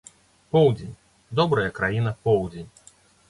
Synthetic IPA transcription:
pɔwd͡zʲenʲ | d̪ɔbɾɐjɐkɾajinɐpɔwd͡zʲenʲ

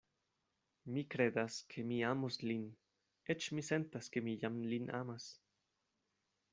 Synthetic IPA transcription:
mikɾed̪askʰemiamoslin | et͡ʃmisent̪askemijamlinʔa̰mas

